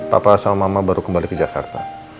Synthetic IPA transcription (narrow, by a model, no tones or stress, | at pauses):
pa̰pasamamabaɾukəmbalikəd͡ʒaka̰rt̪a